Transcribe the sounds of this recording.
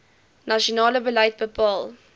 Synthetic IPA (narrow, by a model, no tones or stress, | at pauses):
naʃonɑːləbəlɐjt̚bəpɑːl